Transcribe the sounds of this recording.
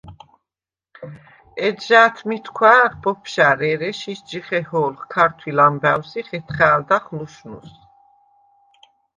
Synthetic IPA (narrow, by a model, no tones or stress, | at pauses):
ɛd̪ʒaːt̪ʰmit̪ʰkʰwaːχbɔpʰʃaɾɛɾɛʃisd͡ʒiχɛhɔːlχkʰaɾt̪ʰwilambæwsiχɛt̪ʰχaːld̪aχluʃnṵs